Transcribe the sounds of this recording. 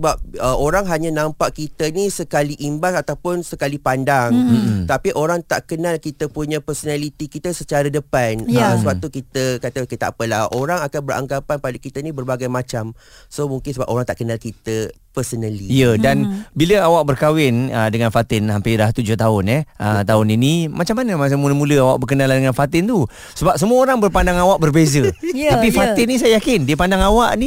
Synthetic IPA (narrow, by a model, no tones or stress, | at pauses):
əbap̚əʔoɾaŋɦaɲanãmpaʔkit̪ənisəkaliʔimbasat̪awpʊnsəkalipandaŋt̪apiʔoɾaŋt̪a̰ʔkənalkit̪əpuɲãpərsonalit̪ikit̪əsət͡ʃaɾadəpansəwat̪ukit̪əkat̪akit̪aʔapəlahoɾaŋakanbəra̰ŋɡapanpadakit̪anĩbərbaɡajmat͡ʃam | somuŋkɪnsəba̰p̚ʔoɾaŋt̪aʔkənalkit̪ə | pərsənəliijədanbiləawaʔ̚bərkawɪnədəŋanfat̪ɪnampidaht̪ud͡ʒʊht̪aʊnɛʔət̪aʊninimat͡ʃamːanəmas̬amuləmuləawa̰ʔ̚bəkənalandəŋanfat̪ɪnt̪u | səbap̚s̬əmuəoɾaŋbərpandaŋawaʔ̚bərbezət̪apifat̪ɪnis̬ajajakɪndiəpandaŋawaʔni